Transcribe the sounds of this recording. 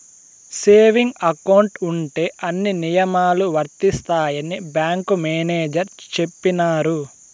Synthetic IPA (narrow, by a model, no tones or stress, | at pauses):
se̞ːʋiŋɡɐkɐwuɳʈuɳʈe̞ːʔɐnːinijɐmaːluʋɐɾt̪ist̪aːjɐnibjaːŋkumeːneːd͡ʒɐɾt͡ʃe̞pːinaːɾu